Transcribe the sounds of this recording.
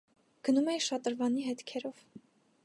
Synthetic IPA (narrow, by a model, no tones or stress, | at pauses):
ɡ̥ənumɛiʃɑt̪əɾvɑniɦɛt̪kʰɛɾɔv̥